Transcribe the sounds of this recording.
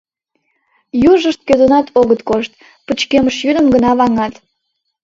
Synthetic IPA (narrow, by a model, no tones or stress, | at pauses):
juʒəʃt̪̚køzonɑt̪ʰoɣət̪koʃt̪̚ | pət͡ɕkeməʃjyd̪əmɡənɑβɑŋɑt̪